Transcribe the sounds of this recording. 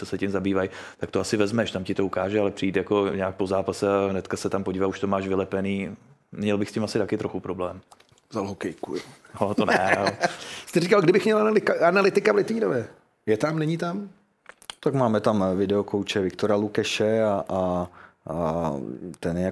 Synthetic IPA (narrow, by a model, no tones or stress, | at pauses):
t͡sosɛcɪmzabiːvaj | t̪akt̪oasɪvɛzmɛʃt̪amcɪt̪o̞ukaːʒɛalɛpr̝̥ɪiːt̪jako̞ɲɛak̚pozaːpasɛaɦnɛt̪kasɛt̪ampo̞ɟiːvauʃt̪omaːʃvɪlɛpɛniːɲɛlbɪxscɪmasɪt̪akɪt̪ɾoxupɾoblɛːm | zalɦokɛjkujo | ot̪onɛ̰ | st̪ɛɾikalɡdɪbɪxmɲɛlaalɪkaanalɪt̪ɪkavlɪt̪iːnovɛ | jɛt̪amnɛɲit̪am | t̪akmaːmɛt̪amvɪdɛokowt͡ʃɛvɪkt̪oɾalukɛʃɛaʔ | t̪ɛnjɛja